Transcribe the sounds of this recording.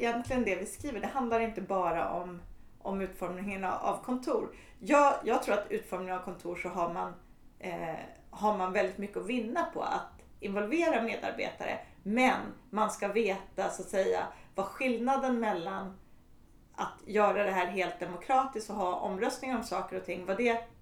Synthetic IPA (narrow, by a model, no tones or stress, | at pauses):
ɪjɛnt̪lɪɡənd̪ɛvɪskɾiːvəɖɛhand̪laɾɪnt̪əbɑːɾa̰ʔɔm | ʔɔ̰mʉ̟ːt̪fɔɾmnɪŋəna̰a̰vkʰɔnt̪ʰuːɾ | jɑːjɑːɡ̚t̪ʰɾuːɾat̪ʉ̟ːt̪fɔɾmnɪŋənavkʰɔnt̪ʰuːʂɔɦaɾman | haɾmanvɛld̪ɪt̪mʏkːəɔvɪnːapʰɔ̰a̰t̪ | ɪnvɔlveːɾameːd̪a̰ɾbḛːt̪a̰ɾə̰mɛnmanskaveːt̪asat̪sɛjːa̰vaɧɪlnad̪ənmɛlːan | at̪jœːɾad̪ɛɦæːɾɦeːlt̪̚d̪ɛmʊkʰɾɑːt̪ɪst̪ɔɦɑːʔɔ̰mɾœst̪nɪŋɔmsɑːkəɾɔt̪ʰɪŋːvad̪ɛ